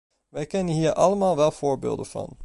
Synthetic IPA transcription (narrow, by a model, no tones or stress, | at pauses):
ʋækʰɛnhiːəʔɑləmɑːlˠʋɛlfɔɹbɪ̰ld̪əfɑ̰n